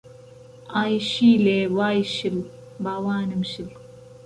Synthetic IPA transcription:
aːjʃiːleːwaːjʃil | baːwaːnɨmʃil

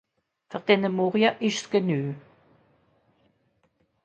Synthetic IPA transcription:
fəʁd̪ɛnəmuʁjɐʔɪʃsɡ̥ənyː

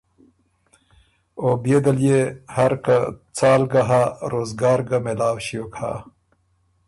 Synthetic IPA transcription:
objed̪ɐljehaɾkat͡saːlɡaɦaɾoːzɡaːɾɡamelaːwɕijokʰa̰ː

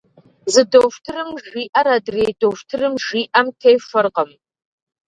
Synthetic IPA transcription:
zɨdowʃtʰɨrɨmʒiːʔɐɾɐdreːjdowftʰɨrɨmʒiːʔɐmtʰejʂɐrqəm

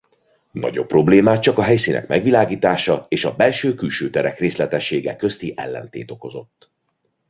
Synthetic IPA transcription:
nɒ̰ɟo̞pːro̞bleːmaːt͡ʃɒkɒɦɛjsiːnʔɛ̰kmɛɡʋilaːɡiːt̪aːʃɒeːʃɒbɛlʃøːkylʃøːt̪ɛɾɛkreːslɛt̪ɛʃːeːɡɛkø̞st̪iʔɛ̰lːɛ̰nt̪ḛːt̪o̞ko̞zo̞t̪ː

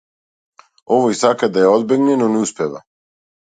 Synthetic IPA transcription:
oʋoisakad̪ajeod̪beɡnenoneuspʲeʋa̰

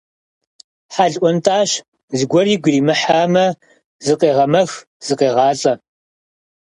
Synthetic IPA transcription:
ħaːɮʔʷɔntʰaːɕ | zɨɡʷɔriːɡʷriːmɨħaːmɐ | zɨqeːʁɐmɐx | z̥ɨqeːʁɑːt͡sʼɐ

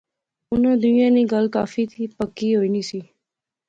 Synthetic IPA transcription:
ʊnãːd̪ʊnɪjãːnĩːɡəlka̰ːfiːt̪ʰiːpəkːiːɦoːiːniːsiː

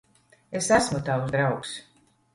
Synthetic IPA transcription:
esæsmut̪awsd̪ɾawks

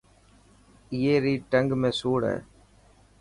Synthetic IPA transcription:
ɪjeːɾiʈɐŋɡmesuːɽɐ̰

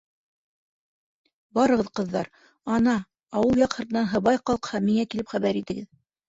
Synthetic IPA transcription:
bɑɾɤ̆ʁɤðqɤ̆ðːɑɾ | ɑnɑ | ɑwɤlˠjɑqhɤ̆ɾt̪ɤ̆nɑnɦɤ̆βɑjqɑlˠqhɑmːiŋækilɘpχæβæɾit̪ɘ̆ɡɘð

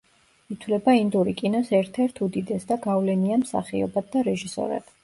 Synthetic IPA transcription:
it̪ʰlɛbaind̪uɾikʼinɔsɛɾt̪ʰɛɾt̪ʰud̪id̪ɛsd̪aɡavlɛniamsa̰χiɔ̰bad̪̚d̪aɾɛʒisɔ̰ɾɛ̰b̥

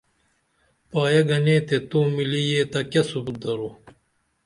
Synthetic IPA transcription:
paːjɐɡɐneːt̪et̪uːmilijeːt̪ɐkɐsubut̪̚d̪ɐɾuː

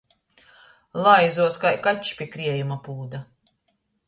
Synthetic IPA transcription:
lˠajzuɔskajkacʃpʲiɛkɾiɛjumapuːd̪a

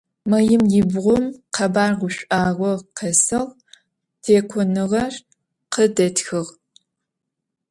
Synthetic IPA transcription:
mɐjɪmjɪbʁʷʊmqʰɐbaːrʁʷʊɕʷʼaːʁʷɔqʰɐsɐʁ | tʰeːkʷʰɔnɨʁɐr | qədɐtxɨʁ

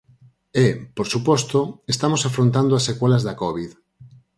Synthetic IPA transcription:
epoɾsupɔst̪oest̪amosafɾõnt̪̬and̪oasekwelazðakɔβið

